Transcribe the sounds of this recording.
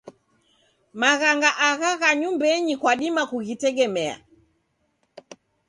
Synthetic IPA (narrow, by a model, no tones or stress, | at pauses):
maɣaŋɡaʔaɣaɣaɲumbɛɲikwaɗimakuɣitɛɡɛmɛa̰